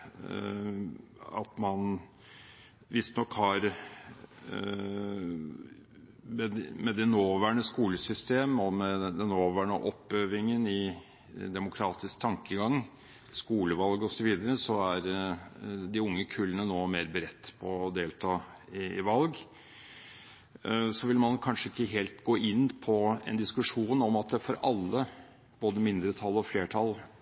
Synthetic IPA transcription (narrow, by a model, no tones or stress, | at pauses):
ɑ̰t̪mɑn | ʋɪst̪nɔkːhɑɾ | mɛmɛd̪ɛnoːʋæːɳəskuːləsʏst̪eːmɔmɛd̪ɛnːoːʋæːɳə̰ʔɔpːøːʋɪŋənɪ | d̪ɛmʊkʰɾɑːt̪ɪskt̪ʰɑŋkəɡɑŋː | skuːləʋɑlɡɔsɔʋiːd̪əɾəsɔæɾ | d̪ɪʊŋːəkʰʉlːənənoːmeːɾbəɾɛt̪ːpʰɔːd̪eːlt̪ʰɑː | ɪɪʋɑlɡ | sɔʋɪlmɑnkʰɑnʂəɪkːəɦeːlt̪ɡoːʔɪnːpʰɔɛ̰nd̪ɪskʉʂuːnɔmɑt̪̚d̪ɛfɔɾɑlːə | b̥oːd̪əmɪnd̪ɾət̪ʰɑlːɔfleːʈʰɑl